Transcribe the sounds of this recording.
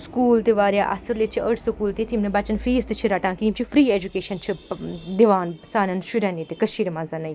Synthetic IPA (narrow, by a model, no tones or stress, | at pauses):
skuːlt̪iʋaːɾjaːʔɐ̰sɐɾlet͡ʃʰiʔɐɽsɐkuːlt̪it̪ʰimnɐbat͡ʃɐnfiːst̪ɨt͡ʃʰiɾɐʈãːkiːmt͡ʃʰifɾiːeːd͡ʒukeːʃɐnt͡ʃʰid̪iʋaːnsaːnɐnʃuɾɛ̃niːt̪ikɐʃiːɾmazɐnɐj